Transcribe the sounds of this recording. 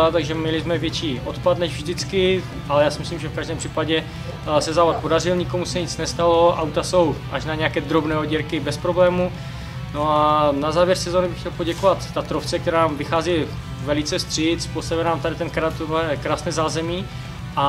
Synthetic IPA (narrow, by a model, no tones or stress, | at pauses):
at̪aɡʒɛmɲɛlɪzmɛvjɛt͡ʃiːʔot̪pad̪nɛʒvʒdɪt͡skɪ | ʔalɛjaːsɪmɪslimʒɛfkaʒdɛːmpr̥iːpaɟɛ | sɛzaːvat̪̚podar̝ɪlɲɪko̞musɛɲɪt͡snɛst̪alo̞ʔa̰wt̪aso̞wʔaʃnaɲɛjakɛːd̪ɾo̞bnɛːoɟɛɾkɪbɛspɾo̞blɛːmu | no̞anazaːvjɛɾsɛzoːnɪbɪxcɛlpo̞ɟɛkovat̪ːat̪ɾoft͡sɛk̚t̪ɛɾaːnamvɪxaːzi | vɛlɪt͡sɛst̪r̝̥ɪt͡spost̪avɪlnaːmt̪aɾɪt̪ɛnkɾaːt̪̚t̪ːoɦɛɛkɾaːsnɛːzaːzɛmiː | ʔa